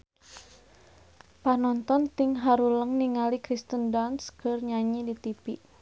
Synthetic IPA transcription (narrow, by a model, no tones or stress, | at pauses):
panɔnt̪ɔnt̪ɪŋɦaɾuləŋniŋalikɾist̪əndanskərɲaɲidit̪ipiʔ